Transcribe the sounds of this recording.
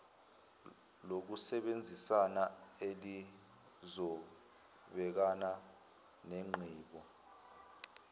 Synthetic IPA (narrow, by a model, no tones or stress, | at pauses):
lok̬usɛɓend͡zʱisanaeli | zɔ | ɓɛk̬ana | neŋ͡ǃʱiːɓɔ